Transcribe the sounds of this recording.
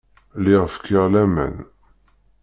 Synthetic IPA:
liʁəfkʰəʁlæmæ̰n

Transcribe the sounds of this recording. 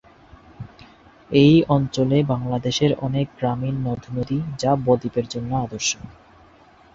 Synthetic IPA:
ejɔnt͡ɕolebaŋlad̪eʃeɾɔnek̚ɡɾaminːɔd̪ʱnod̪id͡ʑabɔd̪ipeɾd͡ʑonːoad̪oɾʃon

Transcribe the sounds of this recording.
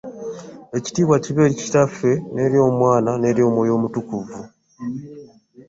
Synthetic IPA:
e̞ci̥tiːβwaciβe̞ːɾici̥tafe̞ne̞ːɾjo̞ːmwaːnane̞ːɾjo̞ːmwo̞ːjo̞ːmutukuvu

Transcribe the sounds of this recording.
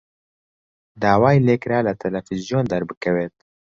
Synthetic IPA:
d̪aːwaːjleːkɾaːlɐt̪ʰɛlɛfizijoːnd̪ɐɾbɨkʰɛweːt̪̚

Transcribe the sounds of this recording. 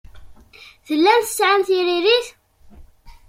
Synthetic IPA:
θəlːænθə̥sʕanθiɾiɾiθ

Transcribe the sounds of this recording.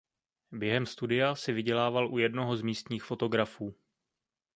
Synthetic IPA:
bjɛɦɛmst̪udɪjasɪvɪɟɛlaːvalʔujɛdno̞ɦo̞zmiːst̪ɲiːxfo̞t̪o̞ɡɾafuː

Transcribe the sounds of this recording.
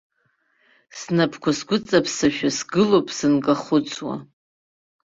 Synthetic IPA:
snapʰkʷʰasɡʷʊt͡sʼapʰsaʃᶣasɡɨlopʰʼsɨnkʼaχʊt͡sʰʼwa̰

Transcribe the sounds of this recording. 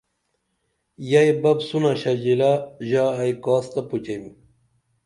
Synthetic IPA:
jajbɐbsunaɕɐd͡ʑilaʑaːjkaːst̪ɐput͡ɕɐjm

